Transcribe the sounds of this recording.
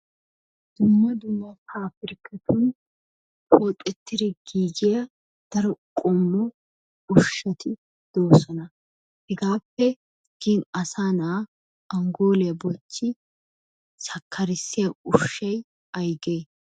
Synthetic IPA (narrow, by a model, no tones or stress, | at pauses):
d̪̥ʊmːɐd̪ʊmːɐkʰaːfɪɾkːɛt̪ʊn | pɔt̪ʼːɛt̪ːɪɾɛɡiːd͡ʒɪjɐ | d̪̥ɐɾɔkʼɔmːɔ | ʊʃːɐt̪ʰɪ | d̪̥oːsɔnɐ | hɛɡaːpːɛ | ɡ̥inɐsaːnaː | ʔɐŋɡo̞ːlɛjɐbɔt͡ʃːɪ | sɐkʰːɐɾɪsːɪjɐʊʃːɐj | ɐjɡeː